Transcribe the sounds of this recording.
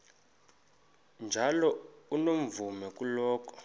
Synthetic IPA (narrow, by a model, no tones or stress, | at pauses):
nd͡ʒʱalɔunom̩vumɛk̬ʼulɔːk̬ʰʼɔ̥